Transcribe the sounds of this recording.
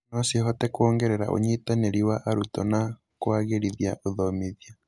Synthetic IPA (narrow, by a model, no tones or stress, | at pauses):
nosihɔtɛkoːŋɡeɾeɾa̰ʔo̰ɲitaneɾiwaʔaɾutɔna | kwaɣeɾiðiaʔoðomiðia